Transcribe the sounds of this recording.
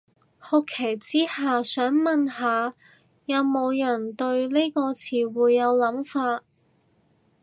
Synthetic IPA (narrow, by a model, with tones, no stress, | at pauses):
hɔ˧kʰːe˨˩jt͡siː˥haː˨sœː˨˥ŋmɐ˨nhaː˨˧ | jɐ˨˧wmo˨˧wjɐ˨˩nt̪ɵ˧ɥle˥jkɔː˧t͡sʰiː˨˩wuː˨˧jːɐ˨˧wlɐ˨˥mfaː˧t̚